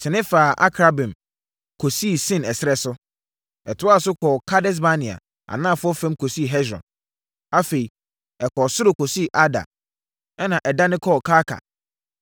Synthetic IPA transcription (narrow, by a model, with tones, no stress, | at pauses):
tʰɪ˨nɪ̃˦faː˨ʔa̰˦kʰɾa˦bɪ̃˨m | kʰo˨si˦˨sɪ̃˦nɛ˨sɪ˦ɾɛ˦sʊ˦ | ɛ˨tʰʊ˦a˦˨sʊ˦kʰɔː˨kʰa˦dɛ˦s̬ba˦nɪ̃˨a̰˨ | a̰˨nã˦˨fʊ˦ɔ˦fɛ̃˦mkʰo˨si˦˨ɦɛ˦sɾɔ̰̃˨n | a˦fe˨i˨ | ɛ˨kʰɔ˨sʊ˦ɾʊ˨kʰo˨si˦˨ʔa˦da̰˨ | ɛ˦nã˨ʔɛ˨da˦nɪ̃˦kʰɔ˦˨kʰa˦kʰa̰˨